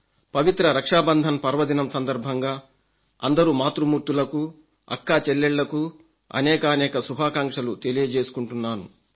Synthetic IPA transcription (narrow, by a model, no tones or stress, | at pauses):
pɐʋit̪ɾɐɾɐkʂaːbɐnd̪ʱɐmpɐɾʋɐd̪inɐmsɐnd̪ɐɾbʱɐŋɡaː | ɐ̰nd̪ɐɾuːmaːt̪ɾumuːɾt̪ulɐku | ɐ̰kːaːt͡ʃɛlːeɭːɐku | ɐ̰nɛːkaːnɛːkɐsubʱaːkaːŋkʂɐlut̪e̞lijɐd͡ʒeːsu̥kuɳʈunːaːnṵ